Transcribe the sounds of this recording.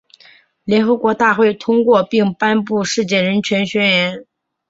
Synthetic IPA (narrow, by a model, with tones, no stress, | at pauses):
ljɛ˧˥nxɤ˧˥kwɔ˧˥t̪a˥˧xwe˥˩ɪt̪ʰʊ˥ŋkwɔ˥˧pi˥˩ŋpa˥npu˥˧ʂɻ̩˥˧t͡ɕjɛ˥˩ɻə˧˥nt͡ɕʰɥɛ˧˥nɕɥɛ˥ɥɛ˧˥n